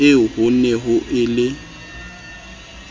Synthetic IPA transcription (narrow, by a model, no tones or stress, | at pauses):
ɪhʊnɛɦʊʔɪlɪ